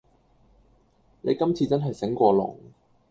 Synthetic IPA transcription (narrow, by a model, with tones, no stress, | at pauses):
ne˨˧jkɐ˥mt͡sʰiː˧t͡sɐ˥nɦɐ˨jsɪ˨˥ŋkʷɔː˧lʊ̰˨˩ŋ